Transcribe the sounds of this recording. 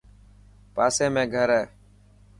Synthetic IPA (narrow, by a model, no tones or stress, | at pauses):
paːsẽːmẽːɡʱəɾɛː